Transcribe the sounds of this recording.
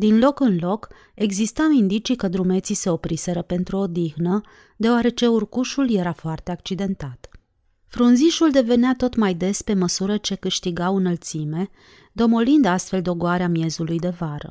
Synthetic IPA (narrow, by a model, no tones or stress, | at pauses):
d̪inlo̞kɨnlo̞k | e̞ɡzist̪awind̪it͡ʃikəd̪ɾume̞t̪sise̞o̞pɾise̞ɾəpe̞nt̪ɾuod̪ixnə | d̪e̞oaɾe̞t͡ʃe̞urkuʃulje̞ɾafoart̪e̞ak̚t͡ʃid̪e̞nt̪at̪ | fɾunziʃuld̪e̞ve̞neat̪o̞t̪majd̪e̞spe̞məsuɾət͡ʃe̞kɨʃt̪iɡawɨnəlt̪sime̞ | d̪o̞mo̞lind̪ast̪fe̞ld̪o̞ɡoaɾeamije̞zulujd̪e̞vaɾə̰